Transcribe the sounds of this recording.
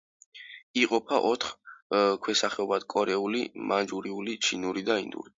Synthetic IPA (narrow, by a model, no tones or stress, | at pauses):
iqʼɔpʰaʔɔt̪ʰχkʰwɛsaχɛɔbad̪̥kʼɔɾɛulḭmand͡ʒuɾiulit͡ʃʰinuɾid̪aind̪ṵɾi